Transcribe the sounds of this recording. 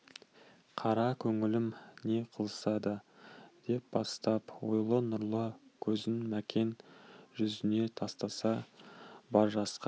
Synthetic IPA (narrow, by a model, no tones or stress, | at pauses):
qʰɑɾɑkʲʰɵŋɪlɪmne̞qʰəlˠəsɑd̪əd̪̥e̞p̚b̥ɑst̪ɑpwo̞̰jlˠənʊɾlˠəkʲʰɵzɪnmækʲe̞nʒʏzɪne̞t̪ʰɑst̪ɑsɑ | bɑɾʒɑsqɑ